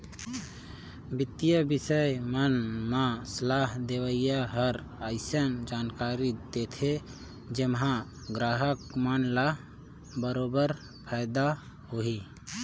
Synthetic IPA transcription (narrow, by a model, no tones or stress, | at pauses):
bit̪ːijəbisəjmənmasəlaɦd̪eʋəjjaɦəɾ | əɪsənd͡ʒankaɾid̪et̪ʰe | d͡ʒemɦã | ɡɾaːɦəkmənla | bəɾobəɾ | pʰaɪd̪a | ɦoɦi